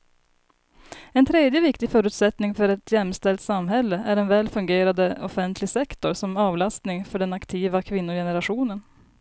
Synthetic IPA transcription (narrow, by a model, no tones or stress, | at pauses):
ɛnt̪ʰɾeːd̪jəvɪkt̪ɪfœːɾʉːt̪sɛt̪nɪŋfœɾɛt̪ʰjɛmːst̪ɛlt̪samɦɛlːəʔæɾɛnvɛːlfɵŋɡeːɾad̪əɔfɛnt̪ʰlɪɡsɛkt̪ɔɾsɔmɑːvlast̪nɪŋfœɖɛnakt̪ʰiːvakʰvɪnːʊjɛnəɾaɧuːnən